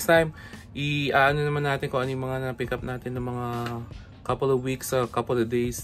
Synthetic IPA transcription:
st̪ajm | ʔɪʔaʔɐnonɐmanːaːt̪ɪnkoʔɐnjmɐŋanɐɐpikɐp̚naːt̪ɪnːɐŋmɐŋa | kɐpɪlovwiksɐkɐpəlovd̪ejs

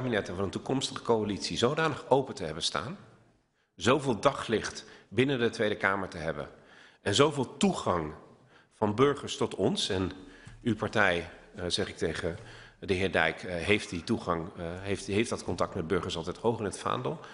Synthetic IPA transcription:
binɛtəvɑnəntukɔmstəχə̥kowalitsizowdaːnəχowpətəɦɛbənsta̰ːn | zowvɪːlˠdɑχlɪχtbɪnəndətʋejdəkaːməɹtəɦɛbə̰nʔɛnzowvɪːlˠtuχɑŋ | v̥ɑnbɵɹχəɹstɔtɔnsɛnypɑɹtɛjzɛχɪk̚tejχədəɦɪːɹdɛ̰jkɦejftdituχɑŋɦeftɦejfdɑtkɔntɑk̚tmɛd̚bɵɹχəɹsɑlˠtɛjthowχɪnətfa̰ːndəlˠ

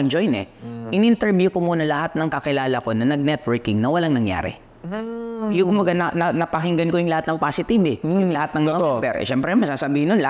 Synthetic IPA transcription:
ɐŋd͡ʒojnɛʔɪnʔɪnt̪ɛɹbjukomuːnɐlɐhat̪̚nɐŋkɐkɪlaːlɐko̞nɐnɐɡ̚nɛt̪̚wɛɹkɪŋnɐwɐlaŋnɐŋja̰ːɾɛ̰ | jʊkʊmbɐɡanɐnɐnɐpɐɦɪŋɡɐnkojʊŋlɐhat̪nɐŋpaːsɪt̪ibɛjʊŋlɐhat̪̚nɐŋt̪opɛ̰ɾʔʃɛmpɾɛmɐsaːsɐbiːhɪnjonl

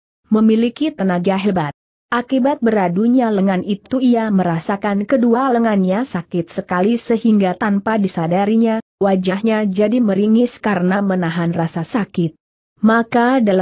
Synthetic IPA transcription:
məmilikit̪ənaɡaɦɛbat̪̚ | ʔakibat̪̚bəɾaduɲaləŋanʔit̪uiaməɾasakankədualəŋanɲasakɪt̪̚səkalisəɦiŋɡat̪anpadisadaɾiɲawad͡ʒahɲad͡ʒadiməɾiŋɪskaɾənamənaɦanrasasakɪt̪̚ | makadala

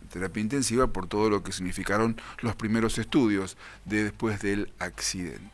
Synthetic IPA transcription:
t̪eɾapjaint̪̬e̞nsiβapo̞ɾt̪o̞ð̞o̞lo̞kesiɣnifikaɾo̞nlospɾime̞ɾo̞se̞st̪uðjo̞z | ðeðespwe̞zðelaksiðḛnt̪

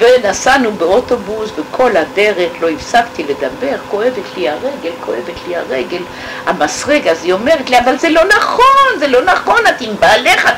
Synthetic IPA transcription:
venasanubeoto̞busvekʰo̞ladeʁeχlo̞ifsakt̪iled̪abe̞ʁko̞e̞vet̪liaʁeɡe̞lko̞evet̪liaʁeɡe̞l | hamasʁeɡazio̞me̞ʁet̪liavalzelo̞naχonzelo̞naχo̞nat̪imbaːleχa

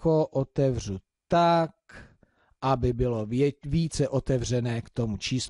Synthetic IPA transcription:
koʔot̪ɛvr̝u | t̪ak | ʔabɪbɪlo̞viːt͡sɛʔo̞t̪ɛvr̝ɛnɛːkt̪o̞mut͡ʃiːs

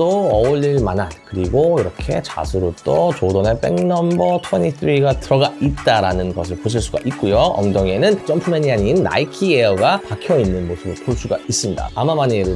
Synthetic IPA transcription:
oʌuʎːiɭmanɦankɯɾiɡoiɾʌkʰe̞t͡ɕa̰sʰɯɾot͈ot͡ɕodonep͈e̞̰ŋnʌmbʌtʰwʌɲitʰɯɾiɡatɯɾʌɡait̚t͈aɾanɯnɡʌsʰɯɭpoɕ̬ʰiɭs͈uɡa̰ʔik̚k͈ujoʌŋdoŋe̞nɯnt͡ɕ͈ʌmpʰumeɲiɦaɲinːa̰ikʰieʌɡapakʰjʌinːɯnmosʰɯbɯɭkʰoɭs͈uɡa̰is͈ɯmɲida̰amamaɲiɾɯɭ

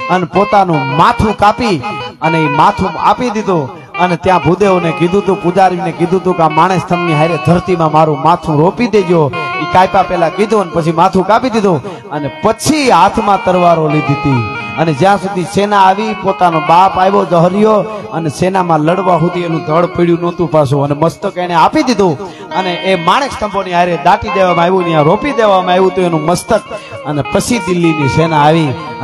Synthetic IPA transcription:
ənepot̪anũmat̪ʰũkapiəneimat̪ʰũa̰pid̪id̪o | ənet̪jãbʱud̪eonekɪd̪ʱũt̪ũpʊd͡ʒaɾjunekɪd̪ʱũt̪ũkamaɽ̃est̪əmniɦajɾət̪̚d̪ʱəɾt̪imãmaɾũmat̪ʰũɾopid̪ed͡ʒjoikajpapɛlakid̪ʱũənepət͡ʃʰimat̪ʰũkapid̪id̪õ | ənepət͡ʃʰiɦat̪ʰmãt̪əɾʋaɾolid̪ʱit̪iəned͡ʒjãsud̪ʱisenaːʋipot̪anobapajʋod͡ʒəɦɾijoənesenamãləɽʋaɦut̪ienũd̪ʱəɽpiɽjũnɔ̃t̪ũpasũəneməst̪əkeneapid̪id̪ʱõ | əneʔːmaɽ̃est̪ʰəmboniaiɾed̪aʈid̪eʋamãeʋũnjãɾopid̪eʋamãeʋũt̪uenũməst̪əkənepət͡ʃʰid̪ɪlːinisenaːʋi

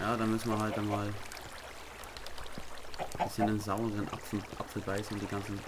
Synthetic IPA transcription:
jaːdaːmʏsn̩viɐɦalt̚d̥anmaːl | b̥ɪsçəndenzaʊəʁənʔa̰fʔa̰pfl̩baɪsn̩ʊntd̥iːɡant͡sn̩

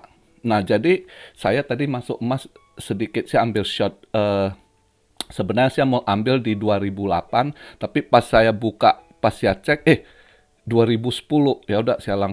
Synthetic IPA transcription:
nahd͡ʒadisajat̪adimasʊkmasː | ədikɪt̪̚siaːmbɪlʃɔt̪̚ə | səbənaɾɲasiaməʔambɪldiduaɾibula̰pant̪apipasːajabukaʔpasiat͡ʃɛk̚ɛh | duaɾibusə̥pulʊhjaudaʔsiala

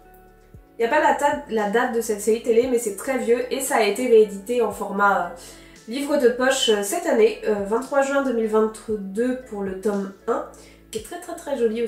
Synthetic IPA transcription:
iljapallad̪at̪̚d̪əsɛt̪seʁit̪elemɛsɛt̪χɛvjøʔesaːet̪eʁeːd̪it̪eɑ̃fɔʁmaø | livʁəd̪əpɔʃøsɛt̪aneøvɛ̃t̪t̪ːχwaʒɥɛ̃d̪ømilvɛ̃t̪d̪øpuʁlət̪ɔmɛ̃ | kʲɛt̪χɛt̪χɛt̪χɛʒɔlio

